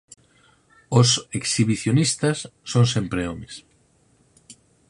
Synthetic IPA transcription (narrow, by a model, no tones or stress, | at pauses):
oseksiβiθjonist̪asːoŋsempɾeomes